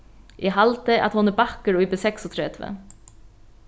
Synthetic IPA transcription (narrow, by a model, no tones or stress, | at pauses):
ʔɛɦalt̪ɪa̰ðhɔnɪbahkəɾujpɪsɛksɔt̪ʰɾɛːt̪vɛ̰